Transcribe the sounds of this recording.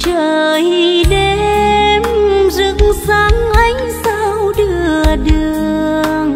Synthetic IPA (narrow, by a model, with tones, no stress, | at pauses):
əː˧˩jɗe˧˦mzɨ˧˥kŋsa˨˦ŋʔa˧jŋ̟sa˧wɗɨ˨˧˩əəɗɨ˨˩əəəŋ